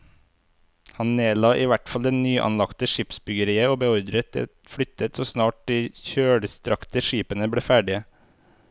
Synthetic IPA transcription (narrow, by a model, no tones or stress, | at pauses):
hɑnneːlɑːʔiːʋæʈfɑld̪ɛnnyːʔɑ̰nlɑkt̪əʃɪpsbʏɡəɾiːəoːbəɔɾd̪ɾət̪̚d̪ɛ̰ | fɽʏt̪ʰət̪soːsnɑːʈ̚d̪iːçøːɽəst̪ɾɑkt̪əʃiːpənəbɽeːfæːɖɪə